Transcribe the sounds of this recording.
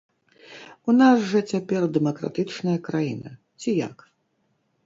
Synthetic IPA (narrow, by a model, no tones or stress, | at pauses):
unasʐɐt͡sʲapʲɛrd̪ɛmɐkɾa̰t̪ɨt͡ʂnɐjɐkɾajinɐ | t͡sʲija̰k